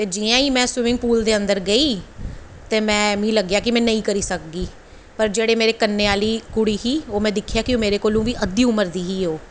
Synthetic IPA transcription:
t̪eːd͡ʒiːãːiːmɛ̃ːswɪmɪ̃ŋɡ̚puːld̪eːənd̪əɾɡəiː | t̪eːmɛ̃ːmĩːləɡjaːkɪmɛ̃ːnəĩːkəɾiːsək̚ɡiː | pəɾd͡ʒeːɽeːmeːɾeːkənːeːaːliːkʊɽiːɦiːoːmɛ̃ːd̪ɪkʰːɪjaːkɪomeːɾeːkoːlũːʋiːʔəd̪iːʊməɾd̪iːɦiːoː

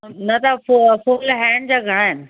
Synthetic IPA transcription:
nɐt̪affuːlɦɛːɳd͡ʑaːɡʱɐɽ̃aːɪnɪ̆

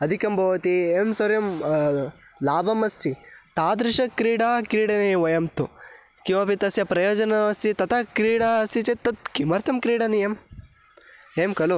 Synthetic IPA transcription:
ɐd̪ʱikɐmbʱɐʋɐt̪ieːmsɐɾjɐm | laːbɐmɐst̪ʰit̪aːd̪ɾɪʃɐkɾiːɽaːkɾiːɽɐneʋɐjɐmt̪u | kiʋɐpit̪ɐsjɐpɾɐjoːd͡ʒɐnɐɐsit̪ɐt̪ʰɐkɾiːɽasit͡ʃet̪ːɐt̪̚kimɐɾt̪ʰɐmkɾiːɽɐnijɐm | eːmkɐlu

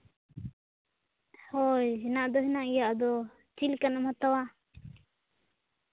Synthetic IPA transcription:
hojɦɛnaʔd̪ɔɦɛnaʔijaʔd̪ɔ | t͡ʃilkanɔmhat̪awa

